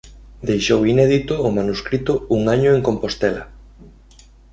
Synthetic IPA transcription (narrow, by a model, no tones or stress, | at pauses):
d̪ejʃowinɛðit̪ʊːmanuskɾit̪ʊuŋaɲʊeŋkompost̪ɛlɐ